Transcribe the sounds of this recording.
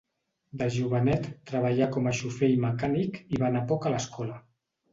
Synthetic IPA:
d̪əʒuβənɛt̪ːɾəβəʎakɔməʃufejməkanikiβanapɔkələskɔlə

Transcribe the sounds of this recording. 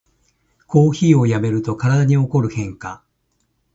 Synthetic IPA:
kʰo̞ːçiːo̞jame̞ɾɯ̟t̪o̞kaɾad̪aɲ̟io̞ko̞ɾɯ̟hẽ̞ŋka

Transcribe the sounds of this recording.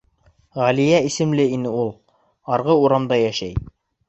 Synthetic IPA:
ʁælijæisɘ̆mlɘinɘulˠ | ɑɾʁɤuɾɑmd̪ɑjæʃæj

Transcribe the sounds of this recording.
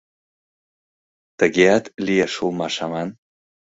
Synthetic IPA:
t̪əɡʲeat̪lʲijaʃulˠmaʃaman

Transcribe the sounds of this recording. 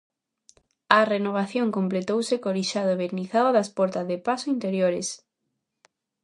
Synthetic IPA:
ɐrenoβ̞aθjoŋkomplet̪owsekoɾiʃaðoβeɾniθaðoðaspɔɾt̪azðepasoint̪eɾjoɾes

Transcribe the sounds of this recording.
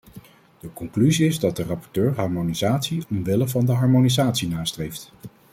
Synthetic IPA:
d̥əkɔŋklyziɪzdɑtdərɑpɔɹtøːɹɦɑɹmonizaːtsiɔmʋɪləvɑndəɦɑɹmonizaːtsinaːstrejft

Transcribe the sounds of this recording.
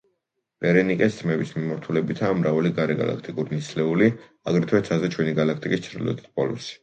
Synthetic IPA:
vɛɾɛnikʼɛst̪ʰmɛbismimaɾt̪ʰulɛbit̪ʰaːmɾavaliɡaɾɛɡa̰lˠa̰kʰt̪ʼikʼuɾinislɛuli | aɡɾɛt̪ʰwɛt̪sʰazɛt͡ʃʰwɛniɡalakʰt̪ʼikʼist͡ʃʰɾd̪ḭlɔ̰t̪ʰi̥t̪̚ʰpɔlˠṵsi̥

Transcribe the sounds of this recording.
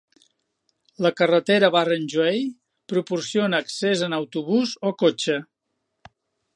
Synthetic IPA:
ləkərət̪eɾəβarənʲʒuej | pɾupursijonəːksezənəwt̪uβuzokot͡ʃə

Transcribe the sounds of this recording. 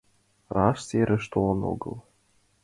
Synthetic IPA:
rɑʃseɾʲɘ̆ʃt̪olˠɤno̰ɡɤ̰̆lˠ

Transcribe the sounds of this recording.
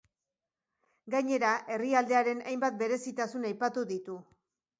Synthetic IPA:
ɡaɲe̞ɾaʔe̞riald̪e̞aɾe̞najmbat̪̚be̞ɾe̞sit̪asunajpat̪uðit̪u

